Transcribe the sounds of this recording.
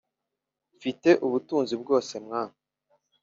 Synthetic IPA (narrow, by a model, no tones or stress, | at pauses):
fite̞ʔuβutuːnzibɡo̞ːse̞mŋaːna